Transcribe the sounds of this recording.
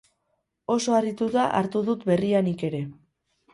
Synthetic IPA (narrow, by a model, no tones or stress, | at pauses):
o̞so̞arit̪uðaʔa̰ɾt̪uðut̪be̞rianike̞ɾe̞